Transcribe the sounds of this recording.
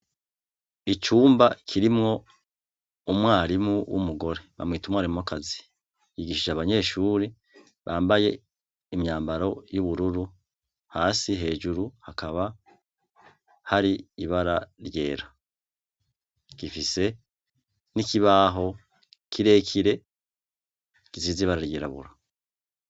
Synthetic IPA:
it͡ʃuːmbakʰiɾimŋo̞ | umŋwaːɾimuwṵmuɡo̞ɾe̞βa̰mŋiːtumŋaɾimŋokazi̥ | jiɡiʃiʒaβaɲe̞ːʃuːɾi | βaːmbaje̞ | imɲaːmbaɾo̞juβuɾuɾu | haːsiɦe̞ːʒuɾuhakaβa | haɾiːβaɾaɾje̞ːɾa | kifise̞ | nikiβaːɦo̞ | kʰiɾe̞ːkʰiɾe̞ | kiziːziβaɾaɾje̞ːɾaβṵɾa

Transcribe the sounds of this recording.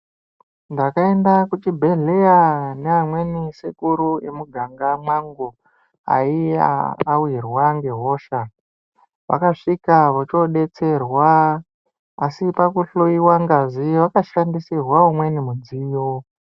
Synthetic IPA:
ndakae̞ndakut͡ʃibʱe̞ɮe̞janeamwe̞nisekuɾuemuɡʱaŋɡamwaŋɡo | a̰ia̰ːwirwaŋɡe̞ɦo̞ːʃa | ʋa̰kaʂikaʋot͡ʃo̞ɗe̞t͡se̞rwaː | sipakuɬoiwaŋɡaziʋakaʃandisirwaumwe̞nimud͡zijo

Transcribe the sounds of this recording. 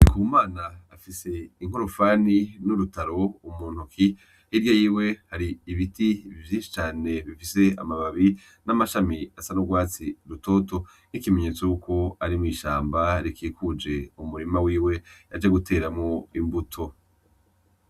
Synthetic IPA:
kʰuːmaːnaːfise̞iŋ̥oɾofaninuɾutaɾo̞umuːnhukʰi | hiɾjojiːwe̞haɾiːβitivjiːnʃi̥t͡ʃaːne̞βifise̞a̰maβaβi | namaʃamiasanoɡwaːt͡siɾuto̞ːto̞ | nikime̞ɲe̞ːt͡sojukʰo̞aɾimŋiːʃaːmbaɾikiːkʰud͡ʒe̞umuɾimawiːwe̞ad͡ʒeɡutʰe̞ːɾamŋo̞imbutʰo̞

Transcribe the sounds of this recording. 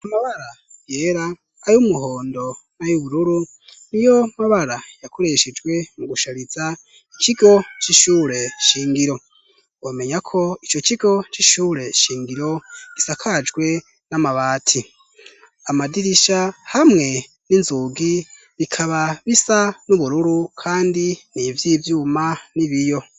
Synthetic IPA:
amaβaɾa | ɡ̥eːɾaː | jumuɦoːndo̞najuβuɾuɾu | nijo̞maβaɾajakʰoɾe̞ʃed͡ʒɡwe̞muɡuʃaɾiza | ikiɡo̞t͡ʃiʃuːɾe̞ʃiːŋɡiɾo̞ | wome̞ɲakʰo̞it͡ʃo̞ciɡo̞t͡ʃiʃuːɾe̞ʃiːŋɡiɾo̞ɡ̥isakʰad͡ʒɡwe̞ | namaβaːtʰi | amadiɾiʃahamŋe̞ | ninzuːɡi | βikʰaβaβisanuβuɾuɾukʰaːndiniːvjiːvjuːmaniβijo̞

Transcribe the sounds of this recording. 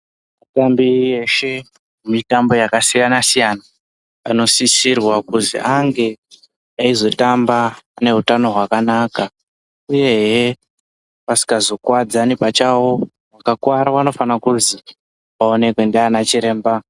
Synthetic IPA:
matambieʃe | mumitambo̞jakasijanasijana | a̰no̞sisirwakuzḭʔaŋɡe̞ | aizo̞tambaːne̞ɦutano̞ɦwakanaka | uje̞ɦe | pasi̥kazo̞kwad͡zanipat͡ʃawo̞ | wakakwaɾaʋano̞fanakuzi | ʋao̞ne̞kwendeanat͡ʃiɾe̞ːmba

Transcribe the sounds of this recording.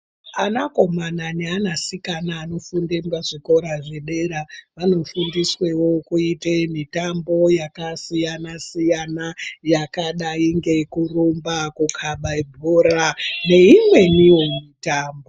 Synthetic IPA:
anako̞mananeanasikanaːno̞fundembaʐiko̞ɾaʐeɗe̞ɾaʋano̞fundiswewo̞kuitemitambo̞jakasijanasijanajakaɗaiŋɡe̞kurombakukʰaɓaibʱoɾane̞imwe̞nijomitaːmbo

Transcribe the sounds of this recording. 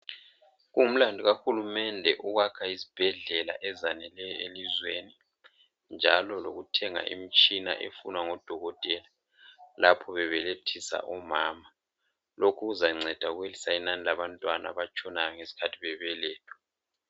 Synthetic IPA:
ɣuŋum̩landʱuɣaxulumɛndʱɛʔuɣakʰaizib̥ʱɛɮɛla̰ʔɛzanɛlɛjɔelizweni | nd͡ʒʱalɔloɣutʰɛŋa̰ʔḭmit͡ʃʼina̰ʔḛfunwaŋɔd̥ʱɔɣɔtʼɛla | lapʰɔβɛβɛletʰisa̰ʔɔmaːma | lokʰuɣuzaŋ͡ǀʱɛd̥ʱaɣuwelisainanilaβantʼwana̰βat͡ʃʼʰɔnajɔŋesi̥kʰatʰiβɛβɛlɛːtʰɔ̥

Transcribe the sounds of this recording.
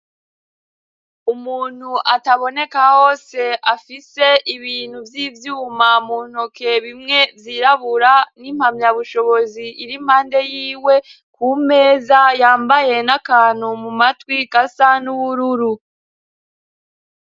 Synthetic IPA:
umuːn̥huʔataβo̞ne̞kaho̞ːse̞afise̞iβiːn̥huvjivjuːmamuːn̥oke̞βimŋe̞vjiɾaβuɾanim̥hamɲaβuʃo̞βo̞ziʔiɾim̥haːnde̞jiːwe̞ | kuːme̞ːzajaːmbaje̞nakaːn̥humumatwikasanuβuɾuɾu

